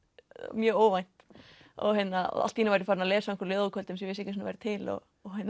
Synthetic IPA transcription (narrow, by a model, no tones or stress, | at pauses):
mjœːoːwvajn̥t̪ɔ̰ɣɦɛnːaɔ̰ða̰l̥t̪hinavaɾɪfaɾnalɛːsaɪŋkœɾlʏːðaðkʰœlt̪ɪmsɛvɪs̬ɪhcɪsunavajɾɪt̪ʰɪlɔ̰ | ɔɦɛnː